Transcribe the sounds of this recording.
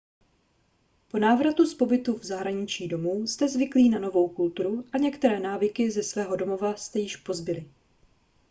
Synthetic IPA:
po̞naːvɾat̪uspo̞bɪt̪uvzaɦɾaɲɪt͡ʃiːdo̞muːst̪ɛzvɪkliːnano̞vo̞wkult̪uɾuʔaɲɛkt̪ɛɾɛːnaːvɪkɪzɛsvɛːɦo̞do̞mo̞vast̪ɛjɪʃpo̞zbɪlɪ

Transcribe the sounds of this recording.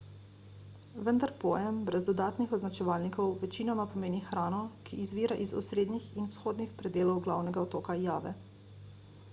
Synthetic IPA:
ʋənd̪aɾpɔːjɛmbɾɛzd̪ɔd̪aːt̪nixɔznat͡ʃɛʋaːlnikɔwʋɛt͡ʃiːnɔmapɔmeːnixɾaːnɔkʰiːzʋiːɾaʔizɔ̰sɾeːd̪nixinwsxoːd̪nixpɾɛd̪eːlɔwɡlawnɛɡaɔt̪oːkajaːʋɛ̰

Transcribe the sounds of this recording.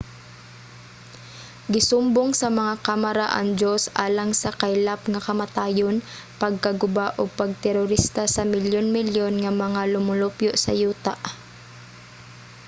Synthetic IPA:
ɡɪsʊmboŋsɐmɐŋakamɐɾaʔɐ̰ŋd͡ʒosʔaːlɐŋsɐkajlapŋɐkɐmɐt̪aːjon | pɐɡ̚kɐɡʊbaʔopɐɡ̚t̪ɛɾoɾist̪asɐmɪljonmɪljonŋɐmɐŋalʊmʊlopjoʔsɐ̰juːt̪aʔ

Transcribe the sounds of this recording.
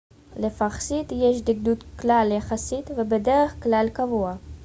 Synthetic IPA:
lefaχsit̪jeʃd̪iɡd̪ut̪klaljaχasit̪vebed̪eʁeχklalkavua

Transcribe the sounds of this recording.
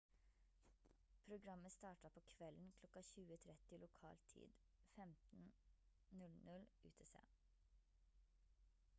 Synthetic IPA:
pʰɾʊɡɾɑməst̪ɑːʈɑpʰoːkʰʋɛln̩kʰlɔkɑçʉːət̪ʰɾɛt̪ɪlʊkʰɑ̰ːlt̪ʰḭːd̪ | fɛmt̪n̩ | nʉlnʉlʉ̰ːt̪ʰesḛː

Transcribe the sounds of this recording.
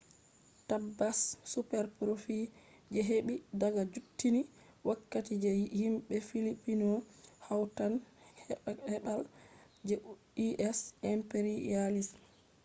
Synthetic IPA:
tabasːupɛɾpɾofi | d͡ʒɛɦeɓidaɡad͡ʒutːini | wakːatid͡ʒɛhimɓɛfilipːinɔhawtanhhɛɓal | d͡ʒɛ | iʔɛsɛmpeɾialis

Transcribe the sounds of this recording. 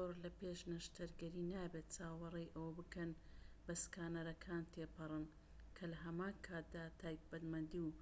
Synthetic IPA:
zoɾlɐpeːʃnɐʃt̪ʰɐɾɡɐɾiːnaːbet̪̚t͡saːwwɐrejʔɐwɐbɨkɐn | bɐskaːnɐɾɐkʰaːnt̪ʰepɨrˤɨn | kʰɐlɐɦɐmaːnkʰaːt̪̚d̪aːt̪ʰaːjk̚bɐt̪mɐnd̪iw

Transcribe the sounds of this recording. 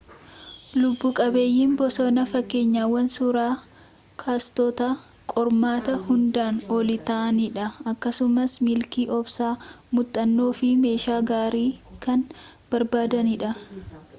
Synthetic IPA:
lʊbːuːkʼɐbe̞ːjːiːmbɔsɔnɐfɐkːe̞ːɲːaːwːɐnsuɾaː | kʰaːst̪ɔt̪ɐ | kʼɔɾmaːt̪ɐhʊnd̪aːnɔlɪt̪ɐʔɐnɪᶑɐɐkːɐsʊmɐsmɪlkiːʔɔbsaː | mʊt̪ʼːɐnːo̞ːfɪme̞ːʃaːɡaːɾiːkɐn | b̥ɐɾbaːd̪ɐnɪᶑɐ

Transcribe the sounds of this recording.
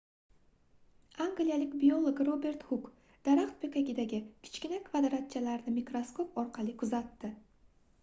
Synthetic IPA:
aŋɡlijalɪkʲbio̞lˠoɡɾobe̞ɾt̪hʊk | d̪̥aɾaqt̪̚pʰekʲaɡʲɪd̪aɡʲɪkʲʰɪ̥t͡ʃkʲɪnakʰvad̪ɾat̪̚t͡ʃʰalaɾnɪmikɾosko̞p̚ɒɾqʰɑlˠɪkʰʊzat̪ːɪ

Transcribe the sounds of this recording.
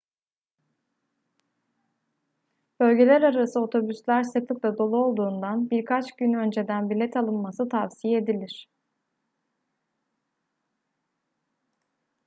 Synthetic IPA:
b̥ø̞lʲɟe̞lʲæɾaɾasɯo̞t̪ʰo̞byslʲæɾsɯklˠɯklˠad̪o̞lˠuo̞lˠd̪uːnd̪anbiɾkʰat͡ʃɟynø̞nd͡ʒe̞d̪ænbilʲɛt̪ʰalˠɯnmasɯt̪ʰavsijed̪ilʲiɾ̝̥

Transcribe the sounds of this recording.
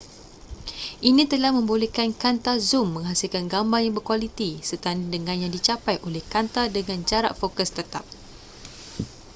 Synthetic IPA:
ʔinĩt̪əlahmə̃mbolɛhkankant̪azumːə̃ŋɦasilkanɡambaŋjaŋbərkwalit̪isət̪andəŋãnjaŋdit͡ʃapajʔolɛhkant̪adəŋãnd͡ʒaɾa̰ʔfokəst̪ət̪ap̚

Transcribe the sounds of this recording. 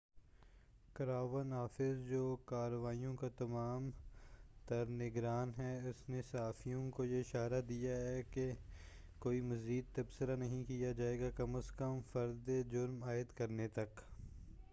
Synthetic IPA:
kɐɾaːʋənɦaːfɪzd͡ʒoːkaːɾəʋaːijõkat̪ɐmaːm | t̪ɐɾnɪɡɾaːnɦɛʊsnesɐɦaːfijõkojeɪʃaːɾad̪ijaɦɛke | koːimɐziːd̪̚t̪ɐbsəɾanɐɦĩkijad͡ʒaːeːɡakɐməskəmfɐɾd̪ed͡ʒʊɾmaːɪd̪kɐɾnet̪ɐk

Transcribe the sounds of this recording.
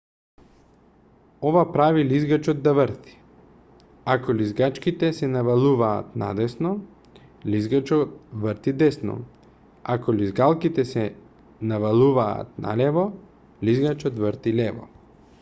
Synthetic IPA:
ovapɾavilizɡat͡ʃɔd̪ːavɾt̪i̥ | akɔlizɡat͡ʃkit̪ɛsɛnavalˠuvaːt̪na̰d̪ɛsnɔ | lizɡat͡ʃɔt̪̚vəɾt̪id̪ɛsnɔ̰ | a̰kɔlizɡalˠkit̪ɛsɛ | navalˠuva̰ːt̪̚nʔa̰lɛvɔ | lizɡat͡ʃɔt̪vəɾt̪ilɛvɔ̰

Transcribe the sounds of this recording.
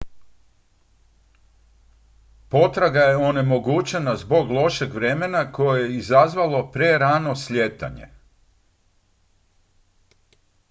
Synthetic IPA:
po̞t̪ɾaɡaje̞one̞mo̞ɡut͡ɕe̞nazbo̞ɡlˠo̞ʃe̞ɡʋɾe̞menako̞jejeizazʋalˠo̞pɾeɾano̞slʲe̞t̪a̰ɲḛ

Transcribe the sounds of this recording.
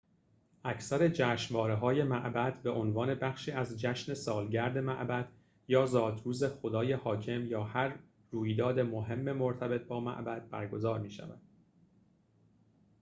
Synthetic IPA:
ʔæcʰsæɾe̞d͡ʒæːʃnvɒːɾeɦɒːje̞mæʔbæd̪̥be̞ʔonvɒːne̞bæxʃiːæzd͡ʒæʃne̞sɒːlɟæɾd̪e̞mæʔbæd̪̥ | jɒːzɒːd̪ɾuːze̞xo̞d̪ɒːje̞hɒːcʰe̞mjɒːhæɾː | uːjd̪ɒːd̪e̞moɦe̞mːe̞mo̞ɾt̪ʰæbe̞t̪̚ʰbɒːmæ̰ʔbæd̪̥̚bæ̰ɾɡo̞zɒːɾmiːʃæ̰væ̰d̪̥

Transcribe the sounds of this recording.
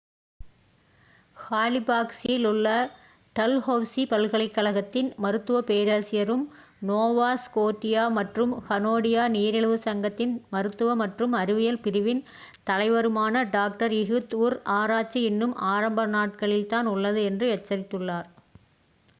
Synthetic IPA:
haːlɪbaːksijɪlʊɭːɐ | ʈɐlhɐʋsipɐlɣɐɭɐɪkːɐɭɐɣɐt̪ːɪnmɐɾɯt̪ːɯʋɐpeːɾaːsɪjɐɾɯm | noːʋaːskoːʈːɪjaːmɐʈrɯmhɐnoːɽɪjaːniːɾɪɭɯʋɯsɐŋɡɐt̪ːɪnmɐɾɯt̪ːɯʋɐmɐʈrɯmɐɾɪʋɪjɐlpɪɾɪʋɪn | t̪ɐlɐɪʋɐɾɯmaːnɐɖaːk̚ʈɐɾɪɣɯt̪uːɾaːɾaːt͡ʃːɐɪnːɯmaːɾɐmbɐnaːʈ̚kɐɭɪlt̪aːnʊɭːɐðɯɛndrɯɛʈ̚t͡ʃːɐɾɪt̪ːɯɭːaːɾ

